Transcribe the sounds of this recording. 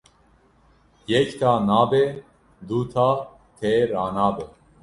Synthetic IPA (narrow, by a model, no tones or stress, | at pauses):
jɛct̪ʰaːnaːbe | d̪uːt̪ʰaː | t̪ʰeɾaːnaːbe